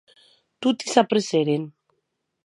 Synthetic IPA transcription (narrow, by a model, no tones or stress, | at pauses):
t̪ut̪isapɾeseɾen